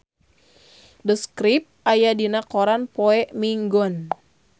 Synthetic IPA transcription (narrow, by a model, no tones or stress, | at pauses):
dəskɾip̚ajadinakɔɾanpɔɛʔmiŋɡɔn